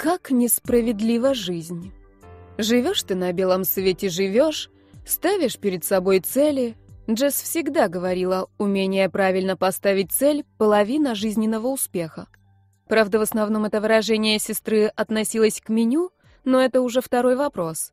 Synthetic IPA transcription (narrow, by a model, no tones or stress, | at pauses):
kaknʲɪspɾəvʲɪd̪lʲivəʐɨzʲnʲ | ʐɨvʲo̞ʂt̪ɨnɐbʲe̞lˠəmsvʲetʲɪʐɨvʲoʂ | st̪avʲɪʂpʲɪɾʲɪt̪sɐbo̞jt̪sɛlʲɪʐɛsfsʲɪɡd̪aɡəvɐɾʲilˠəʊmʲenʲɪjəpɾavʲɪlʲnəpɐst̪avʲɪt̚ʲt̪sɛlʲpəlˠɐvʲinəʐɨzʲnʲɪnːəvəʊspʲe̞xə | pɾavd̪əvəsnɐvno̞mɛt̪əvɨɾɐʐɛnʲɪjəsʲɪst̪ɾɨɐt̪nɐsʲilˠəsʲkmʲɪnʲu | noɛt̪əʊʐɛft̪ɐɾo̞jvɐpɾo̞s